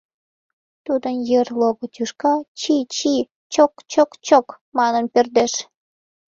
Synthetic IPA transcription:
t̪ud̪ənjerloɣot̪yʃkɑt͡ɕit͡ɕi | t͡ɕokt͡ɕokt͡ɕok | mɑnənperd̪eʃ

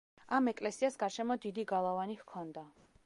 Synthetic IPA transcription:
amɛkʼlɛsiasɡaɾʃɛmɔd̪id̪iɡalˠavanihkʰɔnd̪a

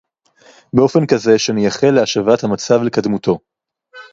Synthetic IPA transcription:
beofe̞nkaze̞ʃenijaχelːeaʃavathamat͡savlekad̪mutʰo̞

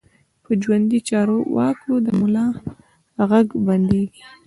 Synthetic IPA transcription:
pəd͡ʒwand̪it͡ʃɑɾowɑ̰kʰod̪əmʊlɑ | ɣaɡband̪i

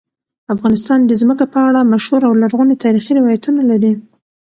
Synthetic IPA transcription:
afɣɑnɪs̬t̪ɑnd̪əzməkapəaɽamaʃhuɾawlaɾɣunet̪ɑɾixiɾɪwɑjat̪unalaɾi

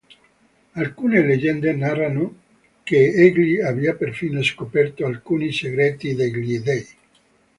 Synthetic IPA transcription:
alkuːneled͡ʒɛnd̪enaɾano | keeɡliaviapeɾfineskopɛrt̪oalkuːniseɡɾet̪id̪eɡlid̪ej

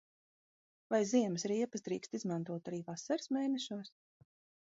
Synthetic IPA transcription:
vajziɛməsɾiɛpɨsd̪ɾḭːkst̪izmãnt̪uɔt̪aɾiːvasaɾɨsmeːnɛʃuɔs

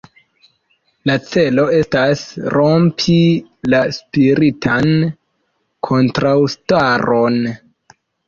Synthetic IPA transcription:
lat͡se̞lo̞e̞stasɾo̞mpʰilaspiɾitʰan | kʰo̞ntɾawstaɾo̞n

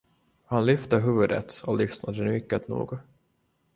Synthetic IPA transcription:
hanlʏft̪əɦʉ̟ːvɵd̪ə̰t̪ɔlʏsnad̪ənʏkːət̪nṵːɡ

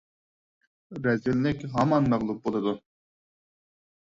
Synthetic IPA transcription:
ɾɛzilːɪkʲɦɑmɑnmæʁlˠup̚bolˠɨd̪u

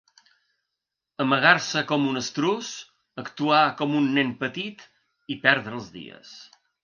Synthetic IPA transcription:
əməɣ̞aɾsəkɔmunəst̪ɾus | əkt̪uakɔmunːempət̪it̪ | ipɛɾðɾəːlˠzðḭə̰s

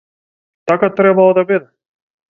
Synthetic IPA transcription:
t̪akat̪ɾɛbalˠɔd̪abid̪ɛ

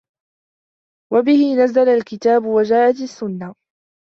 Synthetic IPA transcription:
wabɪhɪnazalalkɪt̪aːbʊwad͡ʒaːʔat̪asːʊnːa

